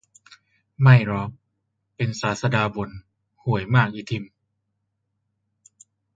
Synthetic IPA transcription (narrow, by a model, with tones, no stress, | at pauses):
ma˥˩jɾɔː˧˥k̚ | pe˧nsaː˩˦t̪̚sa˧daː˧bo˨˦n | hu˩˦əjmaː˥˩k̚ʔiː˧t̪ʰi˧m